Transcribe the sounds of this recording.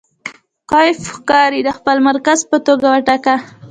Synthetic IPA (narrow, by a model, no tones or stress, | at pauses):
qɑjɪfxkɑɾid̪əxpəlmaɾkazpət̪oɡawaʈaka